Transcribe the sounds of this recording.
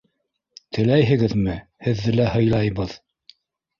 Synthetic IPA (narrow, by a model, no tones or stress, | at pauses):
t̪ʰɘ̆læjɦɘ̆ɡɘðmɘhɘ̆ðːɘlæhɤ̆jlˠɑjβɤð